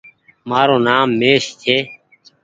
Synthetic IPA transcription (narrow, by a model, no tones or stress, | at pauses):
maːɾoːnaːmːeːʃt̪ʰeː